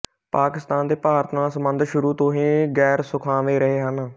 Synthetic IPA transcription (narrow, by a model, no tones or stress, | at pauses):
paːkɪst̪aːnd̪eːpaːɾt̪ʰnãːsəmbənd̪ʃʊɾuːt̪õːɦĩːɡɛːɾsʊkʰãːʋeːɾəɦeːɦən